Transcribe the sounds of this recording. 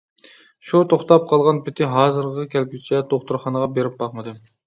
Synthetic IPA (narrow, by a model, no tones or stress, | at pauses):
ʃut̪ʰoχt̪ɑp̚qʰɑlˠʁɑnpʰɪt̪ʰɪɦɑːzɨɾqəkʲɛlkʰʲyt͡ʃʰɛt̪ʰoχt̪uɾχɑnəʁɑbeɾɪp̚bɑχmɨd̪ɨ